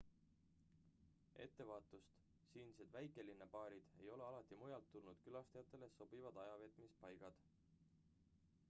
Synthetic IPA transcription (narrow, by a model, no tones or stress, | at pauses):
ʔe̞t̪ːe̞vɑːt̪ːˑust̪ | siːnise̞d̪væjkˑe̞linːɑpɑːɾid̪̥e̞jo̞leɑlɑt̪ːˑimujɑlt̪ːulnud̪̥kylɑst̪ejɑt̪ːˑe̞leso̞b̥ivɑd̪̥ɑjɑve̞t̪ˑmispɑjɡ̥ɑd̪̥